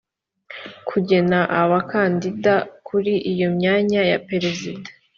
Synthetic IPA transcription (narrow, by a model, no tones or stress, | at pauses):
kʰuɟe̞naʔaβakandidakʰuɾiʔijo̞mɲaːɲaja̰pe̞ɾe̞zidḁ